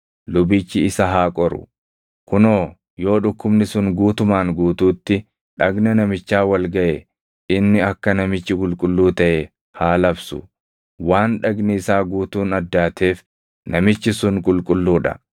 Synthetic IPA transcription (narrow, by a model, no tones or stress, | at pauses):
lʊbiːt͡ʃːɪɪsɐɦaːkʼɔɾʊ̰ | kʊnoː | jo̞ːᶑʊkːʊbnɪsʊŋɡuːt̪ʊmaːŋɡuːt̪uːt̪ːɪ | ᶑɐɡnɐnɐmɪt͡ʃːaːwɐlɡɐʔe | ʔɪnːɪɐkːɐnɐmɪt͡ʃːɪkʼʊlkʼʊlːuːt̪ɐʔe | haːlɐbsʊ̰ | waːnᶑɐɡnɪɪsaːɡuːt̪uːnɐd̪ːaːt̪ʰe̞ːf | nɐmɪt͡ʃːɪsʊŋkʼʊlkʼʊlːuːᶑɐ̰